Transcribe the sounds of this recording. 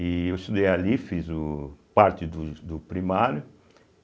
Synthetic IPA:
iewst̪ud̪ejalifizʊpaɾt̪ɪd̪ʊd̪ʊpɾimaɾjʊ

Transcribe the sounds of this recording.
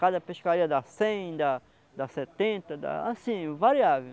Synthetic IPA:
kad̪ɐpeʃkaɾiɐd̪ɐsẽj̃d̪a | d̪ɐsɛt̪ẽnt̪ɐd̪a̰asĩvaɾiavew

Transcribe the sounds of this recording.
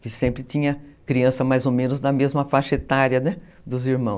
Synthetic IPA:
kɪsẽmpɾɪt͡ʃĩɲɐkɾiɐ̃sɐmajzomẽnʊzd̪ɐmezmɐfaʃɐet̪aɾjɐnɛ | d̪ʊziɾmɐ̃w̃s

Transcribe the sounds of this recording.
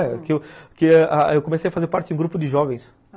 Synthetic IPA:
ɛkewkɪʔaewkõmesejɐfazeɾpaɾt͡ʃɪũɡɾupʊd̪ɪʒɔvẽj̃s

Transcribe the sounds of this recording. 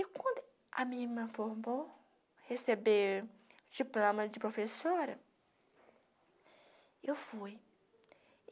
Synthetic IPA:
ɪkwɐ̃nd̪ʊ | ɐ̰mĩmɐ̃foɾmo | hesebeɾd͡ʒiplõmɐd͡ʒɪpɾofesoɾɐ | ewfuj

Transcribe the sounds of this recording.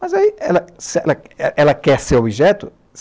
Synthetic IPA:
mɐzaiɛlɐsiɛlɐʔɛlɐkɛɾseɾobiʒɛt̪ʊ | s

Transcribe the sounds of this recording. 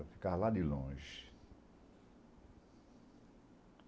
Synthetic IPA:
fi̥kaɾlad̪ɪlõʒɪ

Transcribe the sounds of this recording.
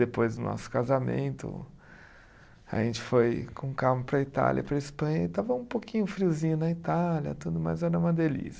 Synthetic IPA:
d̪epojzd̪ʊnʔɔ̰sʊ̥kazamḛ̃nt̪ʊ̰ | ɐ̰ʒẽnt͡ʃɪ̥fojkʰõkamʊpɾɐit̪a̰lʲjʔɐ̰pɾɐispɐ̃ɲɐɪt̪avɐũpokĩɲʊfɾiwzĩɲʊnɐit̪aljɐ̰t̪ud̪ʊma̰jzɛɾɐũmɐd̪elḭs

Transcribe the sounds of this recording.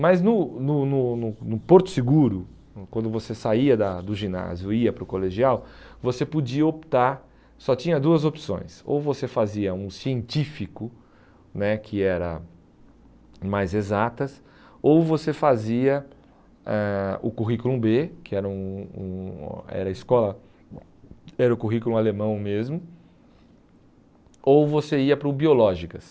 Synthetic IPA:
mɐznʊnʊnʊnʊnʊpoɾt̪ʊ̥sɪɡuɾʊ | kwɐ̃nd̪ʊvosesaiɐd̪ɐd̪ʊʒina̰zjʊiɐpɾʊkoleʒiawvosepod͡ʒiɐop̚t̪aɾ | sɔt͡ʃĩɲɐd̪uɐzopsõ̰j̃so̰wvosefaziɐũsiẽnt͡ʃifikʊ | nɛkʰɪɛɾɐ̰ | majzezat̪ɐs | owvosefaziɐ | ɛʊkuɦikulũbekɪɛɾɐũṵ̃ɛ̰ɾɐɪskɔlɐ | ɛɾɐʊkuɦikulũalemɐ̃w̃mezmʊ | owvoseiɐpɾʊbiolɔʒikɐs

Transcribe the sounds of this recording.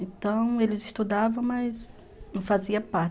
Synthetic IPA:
ẽt̪ɐ̃w̃elɪzɪst̪ud̪avɐ̃w̃mɐjz | nɐ̃faziɐpaɾ

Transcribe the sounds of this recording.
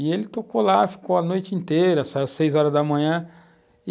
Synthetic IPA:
ɪelɪt̪okolafi̥kowɐnojt͡ʃɪĩnt̪eɾɐsausejzɔɾɐzd̪ɐmɐ̃ɲ̃ɐ̃ | ɪ

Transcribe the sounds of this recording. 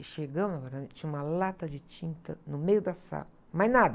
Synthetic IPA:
ʃeɡɐ̃wnɐvɛɾamẽt͡ʃĩũmɐlat̪ɐd͡ʒɪt͡ʃĩnt̪ɐ̰nʊmejʊd̪ɐsa̰lɐ | majnad̪ɐ

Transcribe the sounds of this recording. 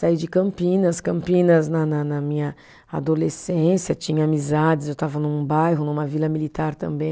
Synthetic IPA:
said͡ʒɪkɐ̃mpĩnɐskɐ̃mpĩnɐznɐnɐnɐmĩɲɐ | a̰d̪olesẽsjɐt͡ʃĩɲɐamizad͡ʒɪzewt̪avɐnũbajɦʊnũmɐvilɐmilit̪aɾt̪ɐ̰̃mbẽj̃

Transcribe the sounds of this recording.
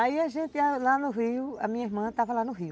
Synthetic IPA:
aiaʒẽnt̪ealanũɦiuamĩɲaeɦmãt̪aβalanũɦiu

